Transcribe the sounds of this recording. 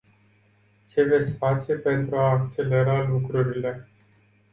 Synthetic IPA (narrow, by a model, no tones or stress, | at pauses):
t͡ʃe̞ve̞t̪sʲfat͡ʃe̞pe̞nt̪ɾuaːk̚t͡ʃe̞le̞ɾalukɾuɾile̞